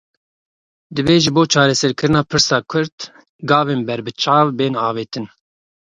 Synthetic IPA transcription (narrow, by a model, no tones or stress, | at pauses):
d̪ɨveːʒɨboːt͡ʃʰɑːɾɛsɛɾkʰɨɾɨnɑːpʰɨɾsɑːkʰʊɾt̪ | ɡɑːveːnbɛɾbɨt͡ʃʰɑːvbeːnɑːveːt̪ʰɨn